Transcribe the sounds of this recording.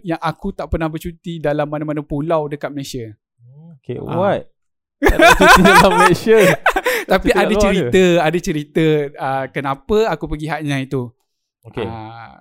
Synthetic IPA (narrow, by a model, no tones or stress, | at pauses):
jaŋakut̪aʔpərnahbərt͡ʃut̪idalamːanamanəpulawdəkat̪̚məlasiə | kḛwat̪̚ | aməlasət̪apiadət͡ʃəɾit̪əadət͡ʃəɾit̪əəkənãpəakupəɡiɦaʔɲãjit̪u | okeə